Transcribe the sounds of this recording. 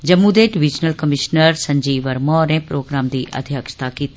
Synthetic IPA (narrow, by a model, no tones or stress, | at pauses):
d͡ʑɐmuːd̪eːʈʋiːd͡ʑnəlkɐmɪʃnəɾsɐ̃ɲd͡ʑiːʋɐɾmɔːɾẽpɾoːɡɾaːmd̪iːʔɐ̰d̪ʱjəkʃt̪akiːt̪ː